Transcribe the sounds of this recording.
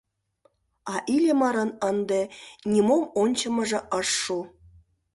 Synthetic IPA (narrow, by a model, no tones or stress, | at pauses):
ɑʔilʲemɑɾɤ̆nə̆nd̪ĕnʲimomonʲt͡ɕɤ̆mɤ̆ʐɤ̆ʔɤ̆ʂːu